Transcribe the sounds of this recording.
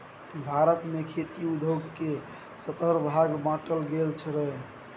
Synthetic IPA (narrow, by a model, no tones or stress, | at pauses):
bʱaɾət̪mekʰet̪iud̪ʱoɡke | sət̪əɾbʱaɡbãʈəlɡelt͡ʃʰəɾəj